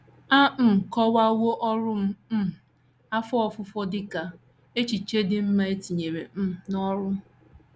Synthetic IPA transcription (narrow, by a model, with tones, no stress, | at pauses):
a˦˨kɔ˦wa˦wo˦ʔɔ˦ɾʊ˦m̩˦˨ | a˦fɔ˦ɔ˦˨fʊ˦fɔ˦dɪ˦ka˨ | e˦t͡ʃi˨t͡ʃe˦dɪ˦m̩˦ma˦e˦ti˨ɲe˨ɾe˨m̩˦˨nɔ˦ɾʊ˦